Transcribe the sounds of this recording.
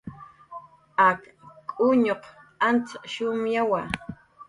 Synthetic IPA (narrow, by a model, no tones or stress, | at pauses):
ak | kʼʊɲoq | ant͡saʃʊmjawa